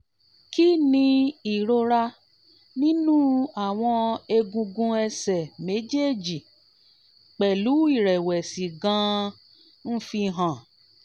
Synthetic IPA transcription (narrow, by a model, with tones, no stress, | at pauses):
ki˦nĩ˧i˨ɾo˧ɾa˧ | nĩ˦nũː˦a˨w̃ɔ̃˧e˧ɡũ˧ɡũ˧ɛ˧sɛ˨me˨˦d͡ʒe˦˨d͡ʒi˨ | k͡pɛ˨lu˨˦i˦˨ɾɛ˨wɛ˨si˨ɡã˧ | n̩˦fi˧ɦã˨